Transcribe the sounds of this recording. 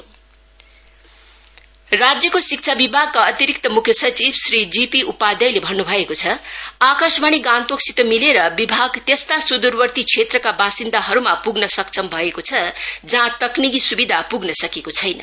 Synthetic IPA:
rad͡zjʌkosik̚t͡sʰabibʱaɡ̚kaʌt̪iɾik̚t̪ʌmukʰjʌsʌt͡sibsrid͡zipiʔupad̪ʌjlebʱʌnːubʱʌekot͡sʰʌakʌsbaɽ̃iɡãnt̪oksit̪omileɾʌbibʱaɡt̪est̪asud̪urbʌrt̪it͡sʰet̪rʌkabasind̪aɦʌɾumapuɡnʌsʌk̚t͡sʌmbʱʌekot͡sʰʌd͡zʌɦãt̪ʌknikisubid̪ʱapuɡnʌsʌkekot͡sʰʌjnʌ̰

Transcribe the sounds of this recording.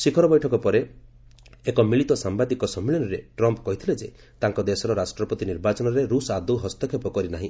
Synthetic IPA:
sikʰɔɾɔbɔjʈʰɔkɔpɔɾe | ekɔmiɭit̪ɔsambad̪ikɔsɔmːiɭɔnɔɾeʈɾɔmpkɔɦit̪ʰiled͡ʒe | t̪aŋkɔd̪esɔɾɔɾasʈɾɔpɔt̪iniɾbat͡ʃɔnɔɾeɾusad̪uɦɔst̪ɔkʰepɔkɔɾinaɦĩ

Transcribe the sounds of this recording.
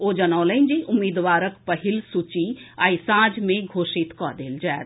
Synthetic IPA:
oːd͡ʒɐnãːləĩnd͡ʒeʔʊmiːd̪ʋaːɾəkpəɦɪlsʊt͡ʃiaːisãːd͡ʒmẽɡʱoːʃɪt̪kɔːd̪eːld͡ʒaː

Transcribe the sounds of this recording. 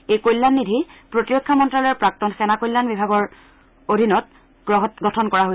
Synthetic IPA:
ejkojlːanːidʱipɹotiɹokʰːamɔntɹalɔɹpɹak̚tɔnxɛnakojlːanbibʱaɡɔɹ | odʱinɔt | ɡɹɔɦɡɔtʰɔnkɔɹaɦoj

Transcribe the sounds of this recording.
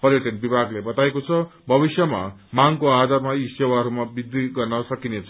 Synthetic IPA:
pʌɾjʌʈʌnbibʱaɡlebʌt̪aekot͡sʰʌbʱʌbisjʌma̰maŋkoad̪armaisewaɦʌɾumabid̪ːiɡʌrnʌsʌkinet͡sʰʌ

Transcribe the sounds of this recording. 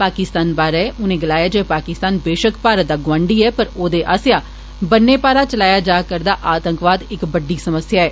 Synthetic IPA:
paːkɪst̪aːnbaːɾeːʔʊnẽːɡɪlaːjaːd͡ʒoʋeːpaːkɪst̪aːnbeːʃəkpaːɾəd̪aːɡʊwãːɳɖiːɛːpəɾoːd̪eːʔa̰ːsjaː | bənːeːpaːɾaːt͡ʃəlaːjaːd͡ʒaːkəɾd̪aːʔaːt̪əŋkʋaːd̪ɪkbəɖiːsəməsjaːɛː

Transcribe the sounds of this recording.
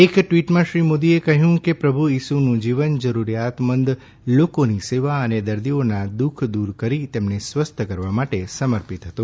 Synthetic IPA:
ekʈʋiʈmãʃɾimod̪iekəɦjũkepɾəbʱujisunũd͡ʒiʋənd͡ʒəɾuɾjat̪mənd̪ | lokoniseʋaəned̪əɾd̪ionad̪ukʰd̪uɾkəɾit̪emnesʋəst̪ʰəkəɾʋamaʈesəməɾpit̪ɦət̪õ

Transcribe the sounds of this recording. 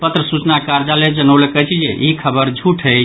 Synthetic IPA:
pət̪ɾəsut͡ʃnakaɾd͡ʒaled͡ʒənəwləkəjt͡ʃʰid͡ʒeʔikʰəbəɾd͡ʒʱuʈʰɦə

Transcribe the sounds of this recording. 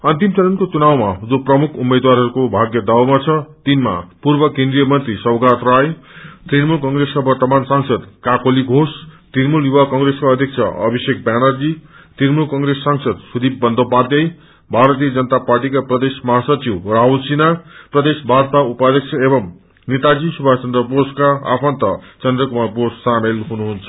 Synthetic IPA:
ʌnt̪imt͡sʌɾʌnkot͡sunawmad͡zoprʌmukʰumed̪waɾɦʌɾukobʱaɡjʌd̪awmat͡sʰʌt̪inma̰purbʌkẽnd̪ɾijʌmʌnt̪risʌwɡat̪rajt̪rinmulkʌŋɡɾesʌbʌrt̪ʌmansaŋsʌd̪kakoliɡʱost̪inmuljuwakʌŋreskaʌd̪ʱjʌk̚t͡sʰʌ̰ʔʌbʱisek̚banʌrd͡zi | t̪iɾmulkʌŋɡɾesːaŋsʌd̪sud̪ibːʌnd̪ʱopad̪jʌj | bʱaɾʌt̪ijʌd͡zʌnət̪aparʈikaprʌd̪esmʌɦasʌt͡siwraɦulsinaprʌd̪esbʱart̪aupad̪ʱjʌk̚t͡sʰʌebʌm | net̪ad͡zisubʱat͡sʌnd̪rʌposkaa̰pʰʌnt̪ʌt͡sʌnd̪rʌkumaposːamelɦunuɦunt͡sʰʌ

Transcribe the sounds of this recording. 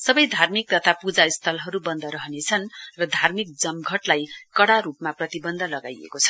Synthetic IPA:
sʌbʌjd̪ʱarmik̚d̪ʌt̪ʰapud͡zaist̪ʰʌlɦʌɾubʌnd̪ʱʌɾʌɦʌnet͡sʰʌnrʌd̪ʱarmik̚d͡zʌmɡʱʌʈlajkʌɽaɾupmaprʌt̪ibʌnd̪ʱʌlʌɡajḛkot͡sʰʌ̥

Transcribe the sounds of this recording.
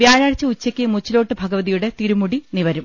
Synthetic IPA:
ʋjaːɾaːɽt͡ɕːɐut͡ɕːɐkʲːɨmut͡ɕːilo̞ːʈːɨbʱɐɡɐʋɐðijuɽe̞t̪iɾumuɽiniʋɐɾum

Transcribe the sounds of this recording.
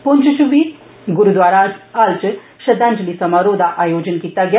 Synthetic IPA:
punt͡ʃʃuʋi | ɡuɾud̪ʋaːɾaalt͡ʃə | ʃɐd̪aːnd͡ʒlisɐmaɾoːd̪ʱaʔaːjoːd͡ʒənkit̪ːaɡja

